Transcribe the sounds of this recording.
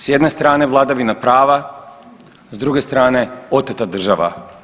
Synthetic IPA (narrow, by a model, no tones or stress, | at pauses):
sjed̪ne̞st̪ɾaːne̞ʋlˠad̪aʋinapɾaːʋa | zd̪ɾuɡe̞st̪ɾaːne̞o̞t̪at̪ad̪r̩ʒaʋa̰